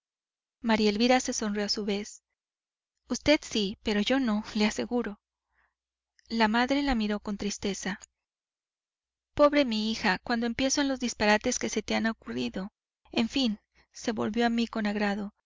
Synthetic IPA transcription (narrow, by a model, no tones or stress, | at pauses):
maɾielβiɾase̞so̞nrjo̞asuβe̞s | ust̪e̞d̪sipe̞ɾo̞ʝo̞no̞le̞ase̞ɣuɾo̞ | lamaðɾe̞lamiɾo̞ko̞nt̪ɾist̪e̞sa | po̞βɾe̞miixakwand̪oe̞mpje̞so̞enlo̞zðispaɾat̪e̞ske̞se̞t̪eanaokuriðo̞ | e̞ɱfin | se̞βo̞lβjo̞amiko̞naɣɾaðo̞